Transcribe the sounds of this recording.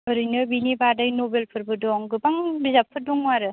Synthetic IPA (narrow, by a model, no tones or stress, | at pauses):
ɯɾɯjnɯbinibadajnobelpʰɯɾbɯdɔŋɡɯbaŋbizapʰːɯdɔŋmaɾɯ